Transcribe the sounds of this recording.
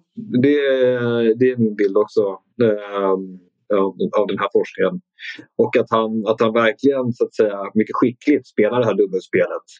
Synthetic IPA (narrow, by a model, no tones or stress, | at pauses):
d̪ɛ | d̪ɛæɾmɪnbɪld̪ɔksɔ | vavd̪ɛnɦæːɾfɔʂknɪŋən | ɔkat̪hanat̪hanvæɾklɪɡənsʊat̪sɛjːamʏkːəɧɪkːlɪt̪speːlaɖɛɦæːɖ̪ɵmːəspeːlət̪